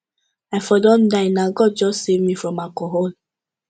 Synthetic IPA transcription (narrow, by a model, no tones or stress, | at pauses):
aɪfɔdɔ̃ndaɪnaɡɔd̚d͡ʒɔssevmifɹɔ̃makɔɦol